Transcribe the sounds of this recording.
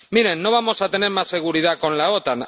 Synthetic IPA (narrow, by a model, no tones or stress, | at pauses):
miɾenːoβamo̞sat̪enemːase̞ɣuɾiðakonlaot̪an